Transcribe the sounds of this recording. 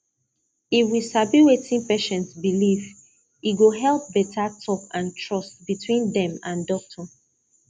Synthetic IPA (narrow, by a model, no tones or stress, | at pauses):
iwisabiwetʰĩŋpeʃɛ̃ntsbiliv | iɡoɦɛlˠp̚bɛtʰatʰɔkãntʰɹɔstbitʰwĩndɛ̃mãndɔk̚tʰɔ